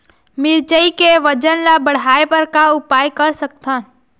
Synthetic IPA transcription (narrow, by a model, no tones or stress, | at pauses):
mɪɾd͡ʒəikeʋɐd͡ʒənlabɐɽ̤aːepɐɾkaʊpaːjkɐɾsɐk̚t̪ãː